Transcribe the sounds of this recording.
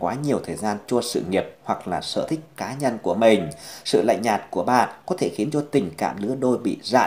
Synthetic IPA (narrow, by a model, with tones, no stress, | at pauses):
kwaː˨˦ɲi˨˩əwt̪ʰəː˨˩jzaː˧nt͡ɕɔ˧sɨ̰˧˨ŋi˨˩əp̚hwa˨˩k̚laː˨˩sə̰ː˧˨t̪ʰï˦˥k̟̚kaː˨˦ɲə˧nku˧˩əmï˨˩ŋ̟sɨ̰˧˨la̰˧˨jŋ̟ɲaː˨˩t̚ku˧˩əɓa̰ː˧˨kɔ˨˦t̪ʰe˧˩xi˨˦ənt͡ɕɔ˧t̪ï˨˩ŋ̟ka̰ː˧˨mɗɨ̰˧˦əɗo˧jɓḭ˧˨za̰ː˧˨